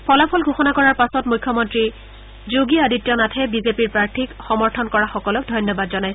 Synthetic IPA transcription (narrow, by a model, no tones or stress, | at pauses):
pʰɔlapʰɔlɡʱoxɔnakɔɹaɹpasɔtmujkʰːɔmɔntɹi | zoɡiaditjɔnatʰɛbizepiɹpɹaɹtʰikxɔmɔɹtʰɔnkɔɹaxɔkɔlɔk̚dʱɔjnjɔbadzɔnaj